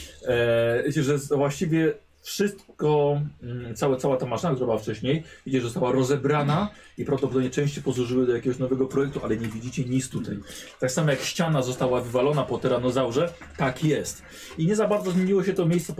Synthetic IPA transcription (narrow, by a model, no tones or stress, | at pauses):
vʲet͡ɕɛʐɛvwaɕt͡ɕivʲjɛ | fʂɘst̪kɔ | t̪sawɛt̪sawat̪amaʂɨnakt̪uɾabɘwaft͡ʂɛɕɲejvʲit͡ɕɛʐzɔst̪awaɾɔzɛbɾanaipɾavd̪ɔp̬ɔd̪ɔbɲʲɛt͡ʂɛ̃ɕt͡ɕɛjpɔzwuʐɘwɘd̪ɔjakʲɛɡɔɕnɔvɛɡɔpɾɔjɛk̚t̪uʔalɛɲevʲid͡ʑit͡ɕɛɲit̪st̪ut̪a̰jt̪aksamɔjakɕt͡ɕanazɔst̪awavɘvalɔnapɔt̪ɛɾanɔzawʐɛ | t̪akjɛst̪ | iɲɛzabaɾd̪zɔzmʲjeɲiwɔɕɛt̪ɔmʲjejst̪sɛp